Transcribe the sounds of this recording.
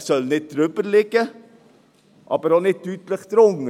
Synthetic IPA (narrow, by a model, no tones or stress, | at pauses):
sœlnɪt̪̚ːɾøbəɾlɪɡə | ʔɑ̰bəɾonɪt̪yːt̪ləxt̪ɾʊŋ